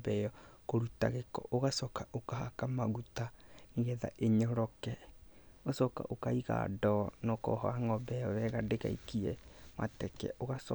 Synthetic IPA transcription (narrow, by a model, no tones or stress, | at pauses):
bɛjɔkoɾuta̰ɣekɔ̰ʔoɣasɔkaʔokahakamaɣutaniɣɛða̰ʔeɲɔɾɔkɛ | osɔka̰ʔokaiɣa̰dɔnɔkɔ̰ɦɔaŋɔbɛjɔβɛɣadeɣa̰ikiɛma̰tɛkɛ̰ʔoɣasɔ